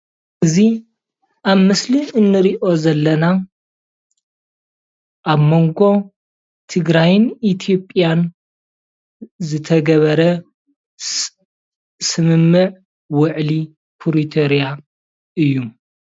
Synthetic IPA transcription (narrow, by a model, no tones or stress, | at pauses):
ʔɨzi | ʔaβmɨsliɨnːɨɾiʔo̞zɐlːɐna | ʔaβmo̞ŋɡo̞ | t̪ʰɨɡɾajnit̪ʰijo̞pʼjan | zɨt̪ʰɐɡɐβɐɾɐ | sɨmɨmːɨʕ | wɨʕli | pʰuɾit̪ʰoɾija | ʔɨjːu